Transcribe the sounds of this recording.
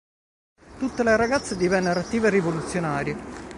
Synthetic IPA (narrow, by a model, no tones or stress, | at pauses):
t̪ut̪ːeleɾaɡat̪sːed̪ivɛnːeɾoat̪ːiːverːivolut̪sːjonaːɾje